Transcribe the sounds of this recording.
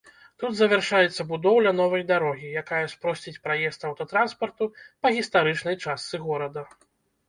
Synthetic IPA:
t̪ud̪zɐvʲɛrʂajɛt̪sːɐbud̪ɔwlʲɐnɔvɐjd̪aɾɔɣʲijakajɐspɾɔsʲt͡sʲit͡sʲpɾajɛst̪ɐwt̪ɐt̪ɾanspɐrt̪upɐɣʲist̪aɾɨt͡ʂnɐjt͡ʂast̪sɨɣɔɾɐd̪ɐ

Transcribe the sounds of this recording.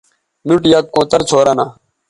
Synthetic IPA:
nuʈjaːkːõːt̪əɾt͡sʰoːɾaːnaː

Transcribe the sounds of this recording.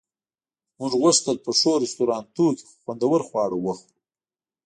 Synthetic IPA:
mʊʐɣʊʂt̪əlpəʂoɾist̪uɾɑːnt̪ukxwand̪awəɾxwɑːɽawəxu

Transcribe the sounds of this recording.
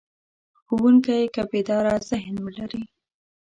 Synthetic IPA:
xuwuŋkajkabed̪ɑɾazɪɦnwəlaɾi

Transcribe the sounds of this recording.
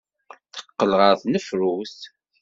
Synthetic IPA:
θə̥qːəlʁəɾθnəfɾuθ

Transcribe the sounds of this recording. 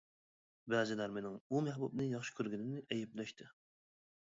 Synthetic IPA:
bæzɪlæɾmenɪŋumæɦbubnɨjɑχʃi̥kʲʰøɾɡʲinɪnɪʔɛjɛplɛʃt̪ʰɪ

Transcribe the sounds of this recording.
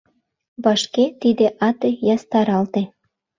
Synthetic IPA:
βɑʃket̪id̪eʔɑt̪ejɑst̪ɑɾɑlt̪e

